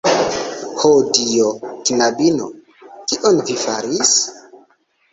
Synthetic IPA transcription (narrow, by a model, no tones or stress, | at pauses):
hodijotinabino̰ | kiʔonvifa̰ɾis